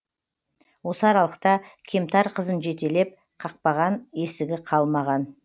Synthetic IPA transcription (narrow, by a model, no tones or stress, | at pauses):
wo̞səɑɾɑlˠəq̚t̪ɑkʲʰe̞mt̪ʰɑɾqʰəzənʒe̞t̪e̞le̞p̚ | qʰɑq̚pɑʁɑnje̞sɪɡʲɪqʰɑlˠmɑʁɑn